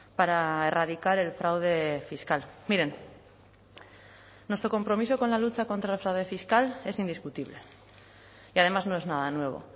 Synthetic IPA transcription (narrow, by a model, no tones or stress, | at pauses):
paɾae̞raðikaɾe̞lfɾawðe̞fiskalmiɾe̞n | nːwest̪ɾo̞ko̞mpɾo̞mis̬o̞ko̞nlalut͡ʃako̞nt̪ɾaelfɾawð̞e̞fiskale̞sind̪iskut̪iβle̞ | iað̞e̞mazno̞e̞znaðanwe̞β̞o̞̰